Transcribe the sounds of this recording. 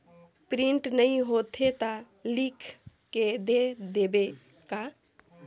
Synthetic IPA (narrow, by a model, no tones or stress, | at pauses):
pɾiɳʈnəĩɦot̪ʰet̪a | likʰkːed̪ed̪ebe | ka